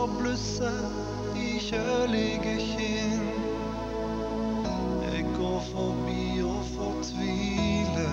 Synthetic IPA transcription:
blʉsə | içœlɪɡəçɪn | ɛ̰ɡɡoːfɔʁbiːɔ | fɔʁt̪ʰʋiːlə

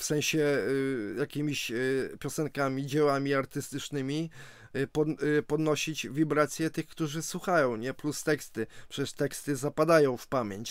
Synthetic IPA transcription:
fsɛ̃w̃ɕɛ | jakʲimʲiɕpʲjɔsɛŋkamʲid͡ʑɛwamʲiaɾt̪ɘst̪ɘt͡ʂnɘmʲi | pɔpɔd̪nɔɕit͡ɕvʲibɾat̪sʲjɛt̪ɘxkt̪uʐɘswuxajɔ̃w̃ɲɛplust̪ɛkst̪ɘpʂɛt͡ɕɛʂt̪ɛkst̪ɘzapad̪ajɔ̃w̃fpamʲjeɲt͡ɕ

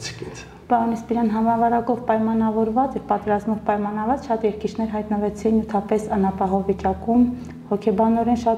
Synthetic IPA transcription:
t͡sʰki | pɑɾɔnispiɾɑnɦɑmɑvɑɾɑkɔvpɑjmɑnɑvɔɾvɑt͡sɛɾpɑt̪ɛɾɑzmɔvpɑjmɑnɑvɑt͡sʃɑt̪jɛɾkit͡ʃʰnɛɾɦɑjt̪nəvɛt͡sʰinjut̪ʰɑpɛsɑnɑpɑɦɔvit͡ʃɑkum | hɔkʰɛbɑnɔɾɛnʃɑ

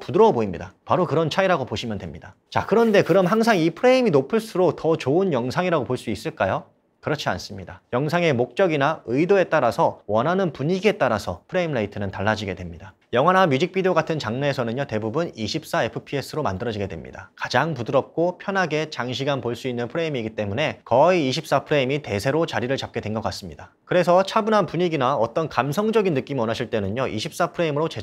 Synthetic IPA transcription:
pudɯɾʌboimɲḭdapaɾokɯɾʌnt͡ɕʰaiɾaɡopoɕʰimjʌndwe̞mɲidat͡ɕakɯɾʌnde̞kɯɾʌmɦaŋsʰaŋipʰɯɾe̞iminopʰɯɭs͈ʰuɾotʌt͡ɕoɯnjʌŋsʰaŋiɾaɡopoɭs͈uis͈ɯɭk͈ajo | kɯɾʌt͡ɕʰia̰ns͈ɯmɲidajʌŋsʰaŋe̞mok̚t͡ɕ͈ʌɡinaɯidoe̞t͈aɾasʰʌwʌnɦanɯnpuɲiɡie̞t͈aɾasʰʌpʰɯɾe̞imlaitʰɯnɯntaɭːad͡ʑiɡe̞dwe̞mɲida | jʌŋɦanamjud͡ʑik̚p͈ʰidejoɡatʰɯnt͡ɕaŋneːsʰʌnɯnjote̞bubuniɕʰip̚s͈ae̞pʰɯ̥pʰie̞sʰɯɾomandɯɾʌd͡ʑiɡedwe̞̰mɲḭda̰kad͡ʑaŋpudɯɾʌp̚k͈opʰjʌnɦaɡe̞t͡ɕaŋɕ̬ʰiɡanpoɭs͈uinːɯnpʰɯɾe̞imiɡit͈e̞mune̞kʌiːɕʰip̚s͈apʰɯɾe̞imite̞sʰe̞ɾot͡ɕaɾiɾɯɭt͡ɕap̚k͈e̞dwe̞nɡʌk͈as͈ɯmɲida | kɯɾe̞sʰʌt͡ɕʰabunɦanpuɲiɡinaʌt͈ʌnkamsʰʌŋd͡ʑʌɡinːɯk͈imiʌnaɕʰiɭt͈enɯɲoʔḭɕʰip̚s͈apʰɯɾe̞imɯɾot͡ɕe

